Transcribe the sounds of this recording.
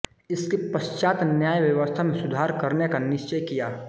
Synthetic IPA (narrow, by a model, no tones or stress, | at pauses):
ɪskipəʃt͡ʃaːt̪njaːjʋjɐʋəst̪ʰamẽsʊd̪ʱaːɾkɐɾnekanɪʃt͡ʃəjkijaː